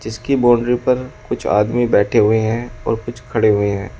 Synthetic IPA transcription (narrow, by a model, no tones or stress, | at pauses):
d͡ʒɪskibɔːɳɖɾipɐɾkʊt͡ʃʰa̰ːd̪mibɛːʈʰeɦʊeɦɛ̃ɔ̰ːɾkʊt͡ʃʰkʰɐɽeɦʊeɦɛ̃ː